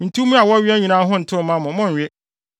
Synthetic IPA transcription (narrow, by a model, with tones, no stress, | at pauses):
n̩˨tʰu˦mũ˦a˨wɔ˦ɥi˦a˦ɲĩ˨nãː˦ɦʊ̃˦n̩˨tʰɪ˦˨˦mã˦mʊ̃˨mʊ̃˦˨ɲ̩˨ɥe˦